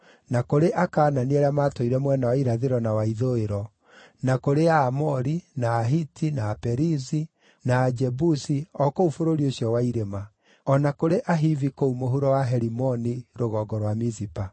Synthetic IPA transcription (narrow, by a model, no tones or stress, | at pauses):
nakoɾeʔakaːnaniɛɾeamaːtoiɾɛmwɛnawaiɾaðeɾɔnawaiðoeɾɔ | nakoɾeaːmɔɾinaːɦitinaːpɛɾizi | naːd͡ʒɛbusiɔkoufoɾoɾioɕiɔwaiɾema | ɔnakoɾeʔaɦivikoumoɦuɾɔwaɦɛɾimɔniɾoɣɔːɡɔɾwamizipa